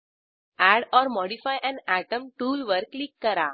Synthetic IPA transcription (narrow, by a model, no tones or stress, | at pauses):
æɽɔɾmɔɽifajʔɛ̃næʈəmʈuːlʋəɾklikːəɾa